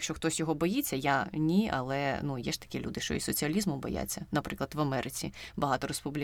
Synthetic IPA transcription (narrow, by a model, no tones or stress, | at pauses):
ɐkʃt͡ʃɔxt̪ɔsʲjɔɦɔbɔjit͡sʲːɐjanʲiɐ̰lˠɛnujɛʒ̥t̪ɐ̥kʲilʲud̪ɪʃt͡ʃɔ̰isɔt͡sʲiɐlʲizmʊbɔ̰ja̰t͡sʲːɐnɐpɾɪklˠɐd̪ʋɐmɛɾʔɪt͡sʲḭbɐɦɑt̪ɔɾospublʲi